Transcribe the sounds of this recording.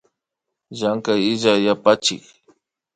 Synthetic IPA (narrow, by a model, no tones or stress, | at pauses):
ʒaŋkajɪʒajapat͡ʃɪ̰k